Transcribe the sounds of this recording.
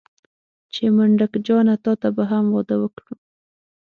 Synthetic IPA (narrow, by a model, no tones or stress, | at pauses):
t͡ʃeməɳɖakd͡ʒɑnat̪ɑt̪abaɦamwɑd̪awəkɽu